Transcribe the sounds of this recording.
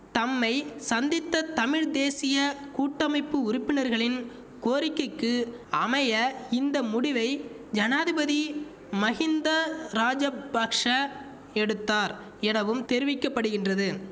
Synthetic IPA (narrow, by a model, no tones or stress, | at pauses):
t̪ɐmːɐɪsɐnd̪ɪt̪ːɐt̪ɐmɪɻd̪eːsɪjɐkuːʈːɐmɐɪpːɯʊɾɪpːɪnɐɾɣɐɭɪn | koːɾɪkːɯkːɯ | ɐmɐjɐɪnd̪ɐmʊɽɪʋɐɪ | d͡ʒɐnaːðɪbɐði | mɐɣɪnd̪ɐɾaːd͡ʒɐbakʂɐ | ɛɽɯt̪ːaːɾ | ɛnɐʋɯmt̪ɛɾɪʋɪkːɐpːɐɽɯɣɪndrɐðɯ